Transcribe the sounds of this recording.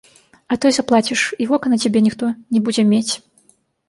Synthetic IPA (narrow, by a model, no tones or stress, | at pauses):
ɐt̪ɨzɐplˠat͡sʲiʂivɔkɐnɐt͡sʲabʲɛnʲixt̪ɔnʲɛbud͡zʲɛmʲet͡sʲ